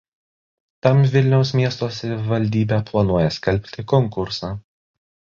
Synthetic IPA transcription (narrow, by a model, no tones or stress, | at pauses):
t̪ɐmʋʲɪlʲnʲɛʊsmʲiɛst̪oːsʲɐʋʲɪʋɐlʲd̪ʲiːbʲɛːplˠɐnuɔjɛsʲkʲɛlʲpʲt̪ʲɪkɔŋkʊɾsɑː